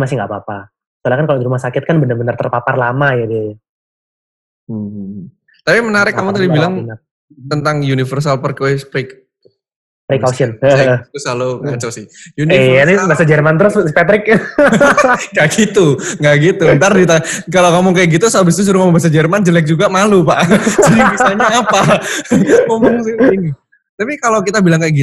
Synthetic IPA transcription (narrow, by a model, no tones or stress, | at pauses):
masɪŋɡapapa | səlahkankalodiɾumahsakɪt̪̚kanbənərbənərt̪ərpaparlamajadia | m̩ | t̪apimənaɾɪkːamut̪adibilaŋn | t̪ənt̪aŋjunifərs̬alpərkoɛspɪk | pɾikasiənəusalokmat͡ʃawsɪhjunianibasad͡ʒərmant̪əɾʊspat̪ɾɪk̚ | ŋɡaʔɡit̪uŋɡaʔɡit̪unt̪ardit̪akalokamʊŋkajak̚ɡit̪usabɪst̪us̬uɾuŋkamuŋbas̬ad͡ʒərmand͡ʒəlɛk̚d͡ʒuɡamalupaʔsadibisaɲaːpa | məmɔŋsɪhini | t̪apikalokit̪abilaŋkajaɡit